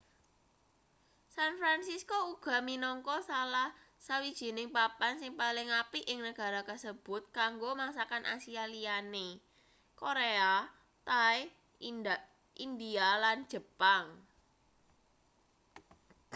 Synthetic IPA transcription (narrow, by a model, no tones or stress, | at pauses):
sanfɾansiskouɡ̥a̤minɔŋkɔsalah | sawid̥ʒ̥i̤nɪŋpapansɪŋpalɪŋapiʔɪŋnəɡ̥a̤ɾakəsəb̥ʊ̤t̪̚kaŋɡomaŋsakanʔa̰sialiane | koɾea | t̪ae | ind̪ialand̥ʒ̥ə̤paŋ